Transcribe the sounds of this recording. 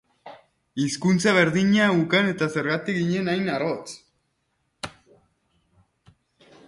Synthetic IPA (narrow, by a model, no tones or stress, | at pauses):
iskunt͡saβ̞e̞ɾðiɲaukane̞t̪ase̞ɾɣat̪ik̚ɣiɲe̞najnaɾot͡s